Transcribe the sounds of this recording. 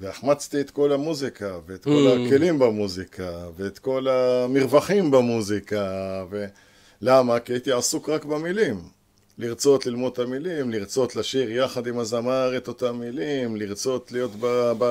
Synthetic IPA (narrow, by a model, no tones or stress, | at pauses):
veaχmat͡st̪iet̪ko̞lamuzikʰaveːt̪ko̞lake̞limbamuzikaveːt̪ko̞lamiʁvaχimbamuzikave | lamakiait̪iasukʁakbamilim | liʁt͡so̞t̪lilmo̞d̪t̪amilimliʁt͡so̞t̪laʃiʁjaχad̪imazamaʁet̪o̞t̪amːilimliʁt͡so̞t̪lijo̞t̪baba